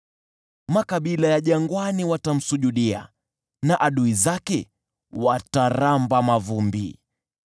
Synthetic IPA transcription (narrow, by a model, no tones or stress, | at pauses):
makaɓilajaʄaŋɡwaniwatam̩suʄuɗia̰ | naʔaɗuizakɛ | wataɾambamavumbḭ